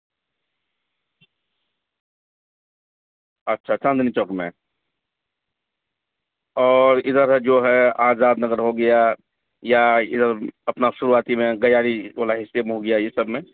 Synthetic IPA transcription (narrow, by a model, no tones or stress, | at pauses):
ɐtːʃʰat͡ʃə̃nd̪nit͡ʃɔkmḛ̃ | ɔːɾɪd̪əɾd͡ʒoːɦɛaːzaːd̪nəɡəɾɦoɡɐja | jaɪd̪əɾɐpnaʃʊɾuaːt̪imẽɡɐjaːɾiʋaːlaɦɪsːemẽɦoɡɐjajesəbmẽ